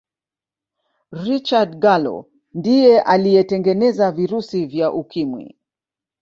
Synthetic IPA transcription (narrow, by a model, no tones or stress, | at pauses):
ɾit͡ʃadɡalɔ̰ | ndijɛʔalijɛtɛŋɡɛnɛzaviɾusivjaʔukimwḭ